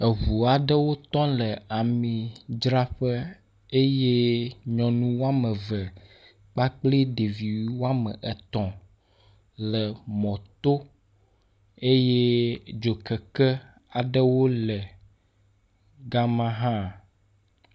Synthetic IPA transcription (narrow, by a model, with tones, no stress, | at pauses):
ə˨βu˨a˨ɖə˦wo˦t̪ɔ̃˦lə˨a˨mĩ˨d͡ʒɾa˦ɸə˦ | e˦je˦ɲɔ̃˨nũ˦wo˦a˦mə̃˨və˨ | k͡pa˦k͡pli˦ɖe˨vi˨wi˦wo˦a˦mə̰˨ʔɛ˨t̪ɔ̃˨ | lə˨mɔ̃˨t̪o˦ | e˦je˦d͡ʒo˨kə˨kə˦ | a˨ɖə˦wo˦lə˨ | ɡa˦mã˦ɦã˦